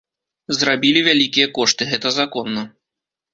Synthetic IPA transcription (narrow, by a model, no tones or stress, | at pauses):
zɾabʲilʲivʲalʲikʲijɐkɔʂt̪ɨɣɛt̪ɐzakɔnːɐ